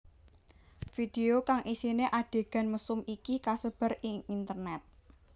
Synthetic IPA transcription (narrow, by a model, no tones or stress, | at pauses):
fid̥eokaŋʔisineʔaɖ̥e̤ɡ̥a̤nməsʊmikikasəb̥ə̤rɪŋint̪ərnɛt̪̚